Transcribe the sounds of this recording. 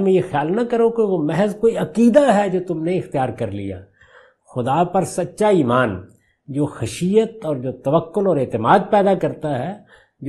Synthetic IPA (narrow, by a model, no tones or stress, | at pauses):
mẽjexjaːlnɐkɐɾõkeʋomɛɦɛzkoːiɐkiːd̪aɦɛd͡ʒoːt̪ʊmneɪxt̪ijaːɾkɐɾlḭja̰ː | xʊd̪apɐɾsɐtːʃaiːmaːn | d͡ʒoːxɐʃiːət̪ɔːɾd͡ʒoːt̪ɐʋəkːʊlɔːɾɪːt̪ɪmaːd̪̚pɛːd̪akɐɾt̪aɦɛː | d͡ʒ